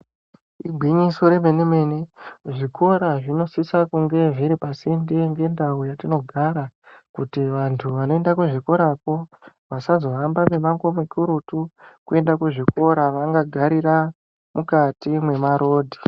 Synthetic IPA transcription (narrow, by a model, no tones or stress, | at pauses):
iɡʱwiɲiso̞ɾemeneme̞neʐikʰo̞ɾaʐino̞sisakuŋɡe̞ʐiɾipasindeŋɡe̞ndaujatino̞ɡʱaɾakutiʋantʰuʋano̞e̞ndakuʐiko̞ɾako̞ | ʋasazo̞ɦambame̞maŋkomekuɾutukue̞ndakuʐikʰo̞ɾaʋaŋɡaɡʱaɾira | mukatimwe̞maɾo̞ːdʱi̥